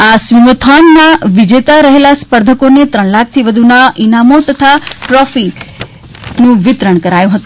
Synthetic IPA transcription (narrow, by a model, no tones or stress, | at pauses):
asʋimot̪ʰannaʋid͡ʒet̪aɾəɦelaspəɾd̪ʱəkonet̪ɾəɳlak̚ʰt̪ʰiʋəd̪ʱunaʔinamot̪ət̪ʰaʈɾɔfi | nũʋɪt̪ɾəɳ̃kəɾajũɦət̪ũ